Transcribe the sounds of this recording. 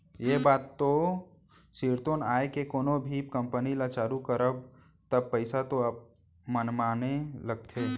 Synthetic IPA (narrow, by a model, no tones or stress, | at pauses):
jebaːt̪ːo | siːɾt̪oːnaːekekoːnobʱiːp̚kə̃mpənilat͡ʃaːɾukəɾəb̚ | t̪əb̚pəɪsat̪oəb̚ | mənmaːneləɡ̚t̪ʰeː